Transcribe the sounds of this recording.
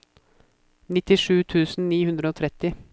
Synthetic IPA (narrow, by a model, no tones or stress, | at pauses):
nɪt̪ɪʂʉːt̪ʰʉːsn̩niːhʉnd̪ɾəoːt̪ʰɾɛt̪ɪ